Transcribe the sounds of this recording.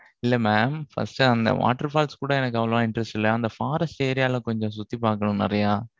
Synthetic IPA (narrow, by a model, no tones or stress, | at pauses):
ɪlːɐmaːmfɐ̰sʈɯɐnd̪ɐ̰ʋa̰ːʈːɐɾfaːlskuːɽɐɛnɐkːɐʋɐlɐmãːɪɳʈɾɛsʈɪlːɐjːɐnd̪ɐfaːɾɐseːɾɪjaːlɐ̃kɔɲd͡ʒɔ̃s̬ʊt̪ːipaːɾkɐɳʊ̃nɪ̰ɾɐjaː